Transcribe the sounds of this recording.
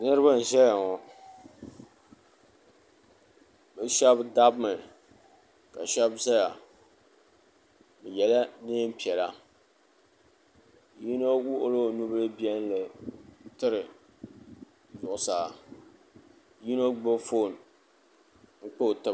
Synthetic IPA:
nɨ˦ɾɨ˦ba˦n̩˨ʒɛ˦ja˨ŋɔ˨ | bɨ˦ʃɛ˦bda˦bmɨ˨ | ka˨ʃɛ˦bza˦ja˨ | bɨ˨jɛ˨la˦ne˦m˦pi˨ɛ˨la˦ | ji˦no˦wu˦ʔo˦lo˦˨nu˦bɨ˦lɨ˦bi˦ɛ˦n˦lɨ˨˦tɨ˦ɾɪ˨ | zʊ˨ʔʊ˨saː˨ | ji˦no˦ɡ͡bo˦fo˦˨n | ŋ̩˦k͡po˦˨tɨ˦

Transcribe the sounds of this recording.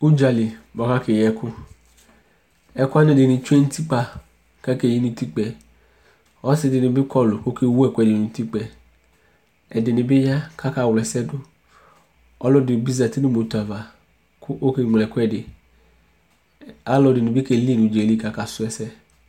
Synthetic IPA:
u˦d͡ʒa˧li˨bɔ˨˧ka˦ke˨jɛ˧˦kʊ˦ | ɛ˧ku˦a˦ne˧˦de˨˧˨ni˨˧t͡ʃʷe˦n˦ti˦k͡pa˧ | ka˦ke˦˨ji˦nũ˧ti˦k͡pɛ˧ | ɔ˦si˧˦di˧ni˧bi˦kɔ˦lʊ˨ko˦ke˧wu˦ɛ˧˨ku˦ɛ˧de˨nũ˨˧˦ti˦k͡pɛ˧ | ɛ˨dɪ˨ni˧bi˦ja˦kʰa˦ka˧˦˨wlɛ˨sɛ˦dʊ˦ | ɔ˧lɔ˦di˨bi˦za˨ti˦ni˦mo˨˧ta˨va˨ | ku˦ʔo˦ke˧ŋ͡mlɛ˨ku˦ɛ˧de˨ | a˦lɔ˧di˨nĩ˧bi˦ke˧˦˨li˦˨nũ˨˧d͡ʒe˨li˦ka˦ka˧˨sʊ˧ɛ˧sɛ˦

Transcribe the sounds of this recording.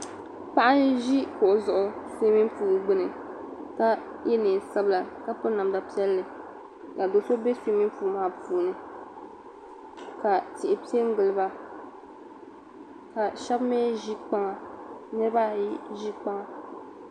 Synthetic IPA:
pa˦ʔa˦nʒi˦kʊ˨ʔʊ˨zʊ˨ʔʊ˨seː˦mi˦m˦puː˨ɡ͡bɨ˦nɨ˨ | ka˦ | jɛ˦nɨ˨sa˦bla˨ka˦pʊ˦na˨mda˨pi˦ɛ˦lːɨ˨ | ka˨do˨so˦be˦se˦mi˦m˦puː˨maː˦puː˨nɨ˨ | ka˨tɪ˨ʔɪ˨pi˦ɛ˦ŋ̩˦ɡɨ˨lɨ˦ba˦ | ka˨ʃɛ˦bmɛ˦ʒi˦k͡pa˦ŋa˨nɨ˦ɾɨ˦ba˦i˦ʒi˦k͡pa˦ŋa˨

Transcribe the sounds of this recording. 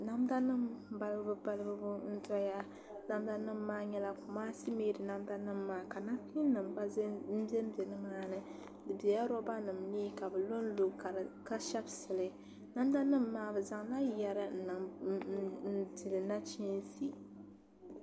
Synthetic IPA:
na˦mda˦nɨ˦m˨ba˦lbɨ˦bɨ˦ba˦lɨ˦bɨ˦bʊ˦n̩˦tɔ˦ja˦ | na˦mda˦nɨ˦m̩ː˦aː˦ɲɛ˦la˦kʊ˨maː˦si˦meː˦dɨ˨na˦mda˦nɨ˦mː˨aː˦ka˨na˦pi˦n˦nɨ˨mba˦bɛ˦m˦bɛ˨nɨ˦maː˦nɨ˦ | dɨ˨bɛ˨ja˦ɾɔ˦ba˦nɨ˨mniː˦ka˨bɨ˨lo˦n˦lo˨ka˨ka˦ʃɛ˦bsɨ˨lɨ˨ | na˦m˦da˦nɨ˦mː˦aː˦bɨ˨za˨ŋna˦jjɛ˦ɾɨ˦n̩˨nɨ˨ŋ˨ | n̩˨di˨lɨ˨na˦t͡ʃi˦n˦si˨

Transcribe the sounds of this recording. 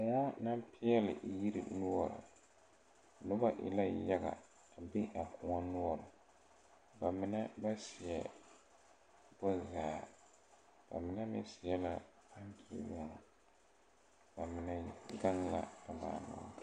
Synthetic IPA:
a˨na˦na˦mpɪ˦ɛ˦lɪ˨ʔji˦ɾḭ˦nʊ˦ɔ˨ɾa̰˨ | nʊ˦ba˦ʔɪ̰˨la˦ja˦ɡa̰˨ | a˨bɪ˦ʔa˨kʰʊ˨ŋa˦nʊ˦ɔ˨ɾa˨ | ba˨mɪ˦nɛ˦ba˦si˨ɛ˨ | bɔ˦zaː˨ | b̥a̰˨mɪ˦na˦mɛ˦sɪ˨jɛ˦la˦ | pa˦ŋkʰi˨lɔ˦˨ŋ˨ | b̥a˨mɪ˨nɛ˦ɡa˦ŋla̰˦a˨ma̰ː˨nʊ̰˨

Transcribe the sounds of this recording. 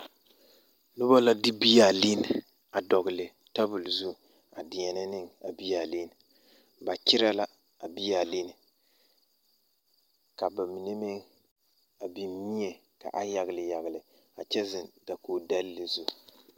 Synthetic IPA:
nʊ˦ba˦la˦dɪ˦bi˦ja˨li˦n˨ | a˨dɔ˨ɣɪ˨lɪ˨ | ta˦bʊ˨lzu˦ | a˨dɪ˨ɲɛ˨nɪ˦nɪ˦ŋa˨bi˦jaː˨li˦n˨ | ba˨t͡ʃɪ˦ɾa˦la˦ | a˨bi˦ja˨li˦nɪ˨ | ka˨ba˨mi˨ne˦mɪ˦ŋ | a˨bi˨˦mi˦ɲɛ˨ | ka̰˨ʔa˦ja˨ɡlɪ˨ja˨ɣɪ˨lɪ˨ | a˨t͡ʃɛ˦zɪ˨nda˨koː˨da˦lːɪ˨zu˦

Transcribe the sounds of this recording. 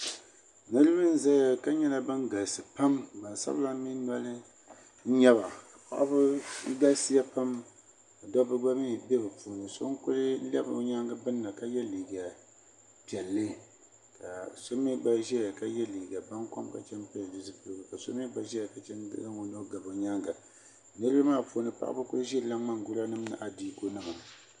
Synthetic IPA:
nɨ˦ɾɨ˦bɨ˦n̩˦za˦ja˦˨ka˦ɲɛ˦la˦bɨ˦nɡa˨sɨ˨pa˦mba˨n˨sa̰˦bla˦mi˦na˦lɨ˦ | n̩˦ɲɛ˦βa˨ka˨pa̰˦ʔa˦bɨ˦ɡa˦si˦ja˦pa˦m | a˨dɔ˦bɨ˦ɡ͡ba˦mi˦bɛ˦bɨ˨puː˨nɨ˨so̰˦ŋkʊ˦lɨ˦lɛ˦bɲa˦ŋɡɨ˦bɨ˦nːa˨ka˦jɛ˦liː˨ɡa˨ | pi˨ɛ˨lːɨ˦ | ka˨so˦mi˦ba˦ʒɛ˦ja˨ka˦jɛ˦liː˨ɡa˨ba˦nka̰˦mka̰˨t͡ʃɛ˦m˦pɛ˦la˨du˨zɨ˦pɨ˨ɾbɨ˨ka˨so˦mi˦ba˨ʒɛ˦ja˨ka˨t͡ʃɛ˦ndɨ̰˦ɡa˦wo˦no˦ɡa˨bo˨ɲa˦ŋɡa˨ | nɨ˦ɾɨ˦bɨ˦maː˦˨pu˨nɨ˨pa̰˦ʔa̰˦bɨ˦kʊ˦ɨ˦ʒɛ˦˨la˦a˦ŋ˨ɡʊ˦la˦nɨ˦mnɨ̰˨ʔa˨diː˦ko˦nɨ˦ma˨

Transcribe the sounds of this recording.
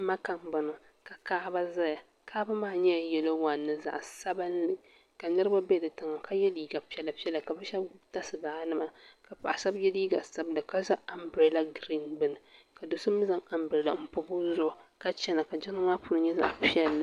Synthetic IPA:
ma˦ka˨mba˨nɨ˨ | ka˨kaː˦ba˦za˦ja˨ | kʰaː˦ba˦maː˦˨ɲɛ˦a˨jɛ˨lo˦wa˨nːɨ˦za̰˨ʔsa˦bɨ˦n˦lɨ˦ | ka˨nɨ˦ɾɨ˦ba˦bɛ˦dɨ˨tɨ˨ŋa˨ka˦jɛ˦liː˦ɡa˨pi˦ɛ˦la˨pi˦ɛ˦la˨ka˨bɛ˦ʃɛ˦bɡbta˦sɨ˨baː˨˦nɨ˦ma˨ka˨pa̰˨ʔa˨sa˦bjɛ˦li˦ɡa˨sa˦bdɨ˨ka˦za˦a˨mbɾe˦la˦ɡɾi˦nbɨ˦nɨ˨ka˨do˨sɨ˦mɨ˦za˦ŋa˨mbɾe˨la˨m̩˦pʊ˦bʊ˦zʊ˦˨ka˦t͡ʃɛ˦na˨ka˨d͡ʒɛ˦nɨ˦maː˦pu˦ɾɨ˨ɲɛ˦za̰˨ʔpi˦ɛ˦lːɨ˨

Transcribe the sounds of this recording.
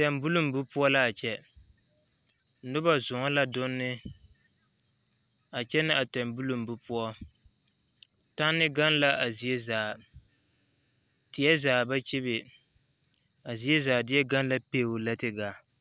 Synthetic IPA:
tɛ˨mbu˦lu˨m̩˨bʊ˦pʊ˦ɔ˦la˦a˨t͡ʃɛ˦ | nʊ˦ba˦zʊ˨ŋɔ˦la˦dʊ˦nːɪ˦ | a˨t͡ʃɛ˦nɪ˦a˨tɛ˨mbu˦lu˨m̩˨bu˦pʊ˦ɔ˦ | ta˦nːɪ˦ɡa˦n˦la˦ʔa˨zi˨ɛ˦zaː˨ | tɪ˨jɛ˦zaː˨ba˦t͡ʃi˦bɪ˨ | a˨zi˨ɛ˦zaː˨dɪ˦ɛ˦ɡa˦n˦la˦pe˦˨wʊ˨la˦tɪ˨ɡaː˨

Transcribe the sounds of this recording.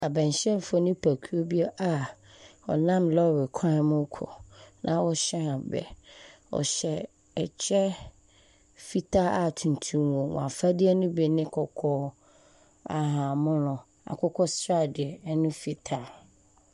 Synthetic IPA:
a˨bɛ̃˨ɲ˨ɕɛ̃˦m˨fʊ˦nʊ̃˦pʰæ˨kʰu˦o˦bi˦ɛ˦ʔa˨ | ɔ̰˨nã˦mlɔ˦˨wɪ˨kʰã˦mʊ̃˦kʰɔ̰˨nʔã˦wɔ˦ɕɛ˦a˨bɛ̰˨wɔ̰˨ɕɛ˨ | ɛ˨t͡ɕʰɛ˦ | fi˦tʰa˦a˨tʰũ˨n˨tʰũ˦mwõ˨w̰̃ã˨fa˦dɪ˦ɛ˦nʊ̃˦bɛ˨nɪ̃˦kʰɔ˨kʰɔː˦ | a̰˨ɦã˨mʊ̃˦nʊ̃˨ | a̰˨kʰɔ˦kʰɔ˦stɾa˦dɪ˨ɛ˨˦nʊ̃˦fi˨tʰa˨

